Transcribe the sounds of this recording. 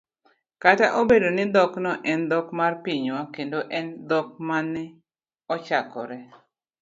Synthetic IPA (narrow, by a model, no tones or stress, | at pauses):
kataʔobedonɪd̪ɔknɔʔɛnd̪ɔkmarpiɲwakendoʔɛnd̪ɔk̚manːɛ | ɔt͡ʃakɔ̰ɾɛ